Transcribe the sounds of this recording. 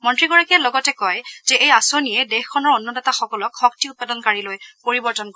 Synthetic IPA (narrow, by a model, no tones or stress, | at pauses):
mɔntɹiɡɔɹakijalɔɡɔtɛkɔjz̥ɛʔejasoniɛdexkʰːɔnɔɹɔnːɔdataxɔkɔlɔkxɔk̚tiʊt̚padɔnkaɹilojpoɹibɔɹtɔnkɔɹɛ